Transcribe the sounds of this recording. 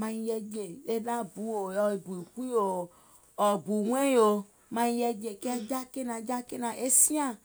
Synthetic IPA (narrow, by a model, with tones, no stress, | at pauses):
mã˧ɲ˦jɛ˦d͡ʒe˨e˦da˦bu˨˦o˨jɔ˦i˨bu˨i˨ku˦i˦o˨ | ɔ˨bu˨ŋ˦ẽ˦jo˨ | mã˨ɲ˦jɛ˦d͡ʒe˨kɛ˦d͡ʒa˦ke˦nã˨d͡ʒa˦ke˦nã˨ʔe˦si˦ã˦˨